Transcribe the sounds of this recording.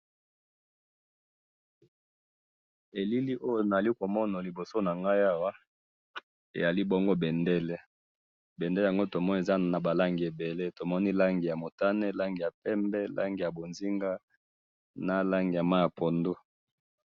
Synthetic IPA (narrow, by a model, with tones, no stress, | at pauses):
e˨li˦li˦ʔo˦jo˨na˨li˦ko˨mɔ˦na˨li˨bo˨so˦na˨ŋɡa˦ja˦wa˦ | ḛ˨ja˨li˦bɔ˦ŋɡo˦bɛ˨nde˦le˦ | bɛ˨ndle˨a˨ŋɡo˦to˨mɔ˦n˨e˨za˦na˨ba˨la˦ŋɡi˨e˨be˨le˦to˨mɔ˦ni˦la˦ŋɡi˨ja˨mo˨ta˦ne˦la˦ŋɡi˨ja˨pɛ˦mbɛ˦la̰˦ŋɡi˨ja˨bo˨nzi˦ŋɡa˦ | na˦la˦ŋɡi˨ja˨ma˦ja˨po˨ndo˦